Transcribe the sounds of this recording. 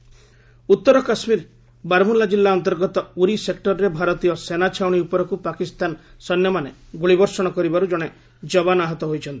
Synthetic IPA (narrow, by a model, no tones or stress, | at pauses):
ut̪ːɔɾɔkasmiɾ | baɾmulːad͡ʒilːaɔnt̪ɔɾɡɔt̪ɔuɾisek̚ʈɔɾɔɾebʱaɾɔt̪ijɔsenat͡ʃʰawɽ̃iupɔɾɔkupakist̪ansɔnːjɔmaneɡuɭibɔɾsɔɽ̃ɔkɔɾibaɾud͡ʒɔɽ̃e | d͡ʒɔbanaɦɔt̪ɔɦojt͡ʃʰɔnt̪i̥